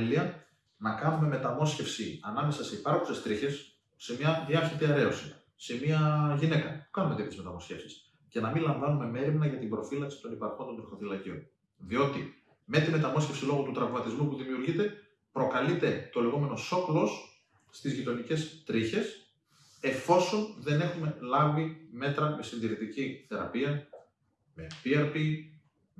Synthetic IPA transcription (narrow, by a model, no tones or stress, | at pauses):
liɐ | nɐkɐnume̞me̞t̪ɐmo̞sce̞fsiɐnɐme̞sɐseipɐɾkuse̞st̪ɾiçe̞sː | e̞mɲɐðiɐst̪it̪iɐɾe̞o̞si | se̞miɐʝine̞kɐpu̥kɐnumet̪ep̪ezme̞t̪ɐmo̞sce̞fsi̥s | ce̞nɐmilɐɱvɐnume̞me̞ɾimnɐʝɐt̪imbɾo̞filɐksi̥t̪o̞nipɐɾko̞nt̪o̞nt̪ɾixo̞θilɐcion | ðio̞t̪i | me̞t̪ime̞t̪ɐmo̞scefsilo̞ɣot̪ut̪ɾɐvmɐt̪izmupuðimiuɾʝit̪e̞ | pɾo̞kɐlit̪e̞t̪o̞le̞ɣo̞me̞no̞so̞klo̞sː | t̪izʝit̪o̞nice̞st̪ɾiçe̞s | e̞fo̞so̞nðe̞ne̞xume̞lɐvime̞t̪ɾɐme̞sinðiɾit̪iciθe̞ɾɐ̰piɐ | me̞piɐɾpi